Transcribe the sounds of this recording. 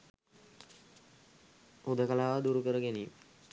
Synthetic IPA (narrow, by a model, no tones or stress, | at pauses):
ud̪əkəlaːʋəd̪uɾukəɾəɡenim